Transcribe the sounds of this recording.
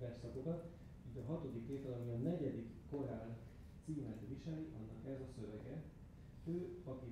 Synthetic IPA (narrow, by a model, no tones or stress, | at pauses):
vɛrsɒko̞kɒt̪ | iːɟɒɦɒt̪o̞d̪ikːeːt̪ɛlɒmiɒnɛɟɛd̪ikːo̞raːl | t̪siːmɛt̪viʃɛliʔɒnːɒkɛzɒsøvɛɡɛ | øːɒki